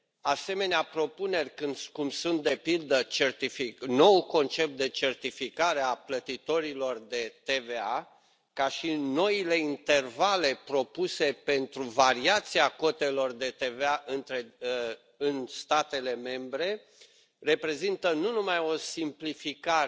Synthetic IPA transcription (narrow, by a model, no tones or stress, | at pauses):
ase̞me̞neapɾo̞pune̞rʲkɨnd̪kumsunt̪̚d̪e̞pild̪ət͡ʃe̞rt̪ifino̞uko̞nt͡ʃe̞p̚t̪̚d̪e̞t͡ʃe̞rt̪ifikaɾe̞aplət̪it̪o̞ɾilo̞rd̪e̞t̪e̞ve̞a | kaʃino̞ile̞int̪e̞rvale̞pɾo̞puse̞pe̞nt̪ɾuvaɾiat̪siako̞t̪e̞lo̞rd̪e̞t̪e̞veaʔɨnt̪ɾe | ɨnst̪at̪e̞le̞me̞mbɾe̞ | re̞pɾe̞zint̪ənunumajo̞simplifika